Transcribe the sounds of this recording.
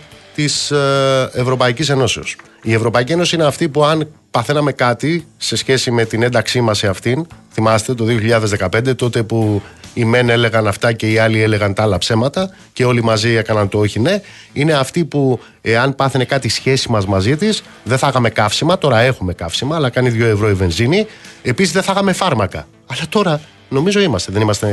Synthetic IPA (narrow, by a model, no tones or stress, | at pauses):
t̪is | e̞vɾo̞pɐicise̞no̞ses | ie̞vɾo̞pɐicie̞no̞siineɐft̪ipuɐnpɐθe̞nɐme̞kɐt̪ise̞sçe̞sime̞t̪ine̞nd̪ɐksimɐseɐft̪inθimɐst̪e̞t̪o̞ðioçiʎɐðe̞zðe̞kɐpe̞nd̪e̞t̪o̞t̪e̞puime̞ne̞le̞ɣɐnɐft̪ɐce̞iɐlie̞le̞ɣɐnt̪ɐɐlɐpse̞mɐt̪ɐ | ce̞o̞limɐzie̞kɐnɐnt̪ooçine̞ | ine̞ɐft̪ipu | eɐnpɐθene̞kɐt̪isçe̞simɐzmɐzit̪is | ðeθɐɣɐme̞kɐfsimɐt̪o̞ɾɐe̞xume̞kɐfsimɐːlɐkɐniðʝo̞e̞vɾo̞ive̞nzinie̞pisizðe̞θɐɣɐme̞fɐɾmɐkɐ | ɐlɐt̪o̞ɾɐ | no̞mizo̞imɐst̪e̞ðe̞nimɐst̪e̞